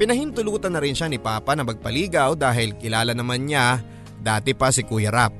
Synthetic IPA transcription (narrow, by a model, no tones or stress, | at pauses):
pɪnɐhɪnt̪ʊluːt̪ɐnːɐɾɪnʃanɪpaːpɐnɐmɐɡ̚pɐliːɡɐwd̪aːɦɪlkɪlaːlɐnɐmanɲa | d̪aːt̪ɪpɐsɪkujɐɾap̚